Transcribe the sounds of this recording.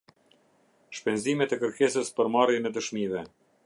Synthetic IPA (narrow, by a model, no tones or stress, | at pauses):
ʃpɛnzimɛt̪ɛkəɾkɛsəspəɾmarjɛnɛd̪əʃmivɛ